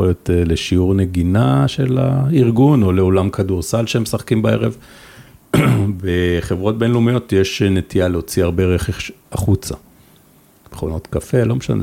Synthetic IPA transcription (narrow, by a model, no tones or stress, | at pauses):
oljoteleʃiuʁne̞ɡinaʃela̰iʁɡuno̞leo̞lamkʰaduʁsalʃeemesaχkimbae̞ʁev | beχevʁo̞t̚benlumijo̞tjeʃnetialeot͡siaʁbeʁeχeχʃaχut͡sa̰ | me̥χono̞tkafe̞lo̞meʃa̰nḛ